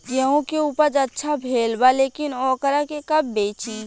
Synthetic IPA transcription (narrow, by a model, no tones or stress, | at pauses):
jəɦõkeuːpəɾd͡ʒətːʃʰabʱeːlbaleːkɪnɔːkəɾakekɐbːeːt͡ʃi